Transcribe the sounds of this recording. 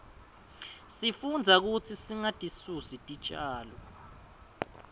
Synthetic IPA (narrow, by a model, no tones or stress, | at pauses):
sifund͡zʱak̬ut͡sʰisiŋatʼisusitʼit͡ʃʼaːlɔ